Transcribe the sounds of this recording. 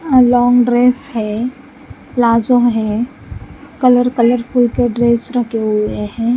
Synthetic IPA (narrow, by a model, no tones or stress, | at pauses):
lɔːŋɡɖɾeːshɛ | laːd͡ʒõɦɛ̃ | kələɾkələɾfʰʊlkeɖɾeːsɾɐkʰeɦʊeɦɛ̃ː